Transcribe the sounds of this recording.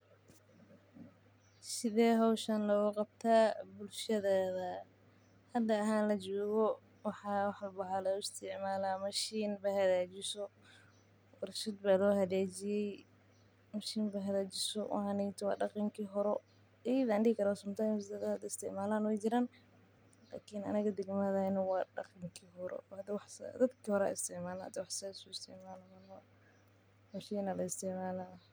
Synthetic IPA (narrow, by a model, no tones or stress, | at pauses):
sɪðɛːɦɔwʃɐnlɐɣʊqɑb̚t̪ʰaːbʊlʃɐðaːðɐ | hɐd̪ɐːɦaːnlɐt͡ʃɔːɣɔ | wɑħɑːwħbɐɦalɐʊɪst̪ʰɪʕmaːlaːmɐʃiːnbɐhɐðaːt͡ʃɪsɔ | wɐrʃɐd̪baːlɔːhɐðaːt͡ʃɪjɛj | mɐʃiːnbɐɦɐðaːt͡ʃɪsɔʔhɐnɛjt̪ʰwɑ̰ːɖɑqiŋkʰiɦɔɾɛ | ɛjðaːnɖɪhɪkʰɐɾaːsʊmt̪ʰaːjmsd̪ɐd̪d̪ɪst̪ʰɛ̰ʕmaːlaːnwɛjd͡ʒɪɾaːn | la̰ːkʰinɐ̰nɐɣɐd̪ɐɡmɐðɐnɐwɑːɖɑ̰qiŋkʰiɦɔɾɛ̰d̪wɑħsd̪ɐd̪kʰiːhɔɾɛa̰ːɪ̰st̪ʰɛʕmaːlahɐ̰d̪ɐwɑħsaːsʊɪst̪ʰɛ̰ʕmaːlɐmɐnɐ | mɐʃiːnɐlɐɪst̪ʰɛʕmaːlaː